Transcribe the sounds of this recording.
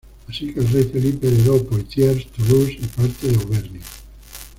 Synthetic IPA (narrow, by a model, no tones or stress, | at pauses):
asikelrɛjfelipeleðowpoiθjeɾst̪olusipaɾt̪eðewβɛɾnja